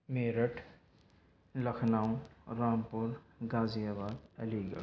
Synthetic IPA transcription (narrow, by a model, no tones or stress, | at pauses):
meɾəʈʰ | ləkʰnaw̃ɾaːmpuɾɡazijabaːd̪əliɡə̰